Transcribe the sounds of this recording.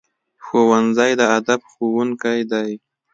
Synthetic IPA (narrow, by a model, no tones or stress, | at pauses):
xowanzajd̪əad̪abxowuŋkajd̪aj